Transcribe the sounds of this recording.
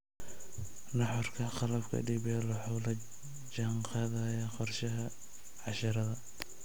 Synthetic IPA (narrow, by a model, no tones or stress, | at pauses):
nɑħɔrkʰɐqɑlɐfkʰɐ̰ɖiːβɛlɐħɔlɐ | d͡ʒɐɴqɑðɐjɐqɔrʃɐɦɐ | ʕɑʃɐɾɐðɐ